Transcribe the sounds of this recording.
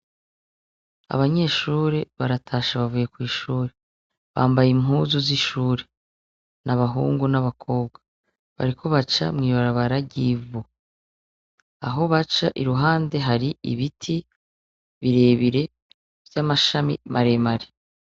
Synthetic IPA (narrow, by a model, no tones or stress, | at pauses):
a̰βaɲe̞ːʃuːɾe̞βaɾatʰaːʃaβavuje̞kwiːʃuːɾe | βaːmbajimɦuːzuziʃuːɾe̞ | naβaɦṵːŋɡunaβakʰo̞ːbɡwa | βa̰ɾikʰo̞βat͡ʃa̰mŋiːβaɾaβaɾaɟivu | a̰ɦo̞βat͡ʃaʔiɾuɦaːnde̞ɦaɾiḭβitʰi | βiɾe̞ːβiɾe̞ | vjamaʃamḭmʔaɾe̞maɾe̥